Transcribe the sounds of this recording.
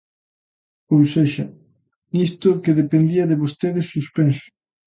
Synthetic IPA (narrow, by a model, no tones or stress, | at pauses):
owseʃɐ | nist̪ʊkeðepend̪iɐðeβost̪eðɪsːuspensʊ̥